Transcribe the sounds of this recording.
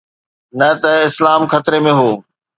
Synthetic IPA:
nɐt̪ɐɪslaːmxɐt̪ɾemẽɦoː

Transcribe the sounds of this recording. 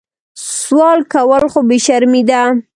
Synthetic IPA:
swɑlkawəlxobeʃaɾmid̪a

